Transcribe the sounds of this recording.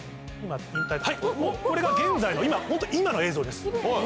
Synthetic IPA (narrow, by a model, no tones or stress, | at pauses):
imaĩnt̪akhaimokko̞ɾe̞ɡaɡẽ̞nd͡zaino̞imahont̪oimano̞e̞ːzoːd̪e̞sɨ̥o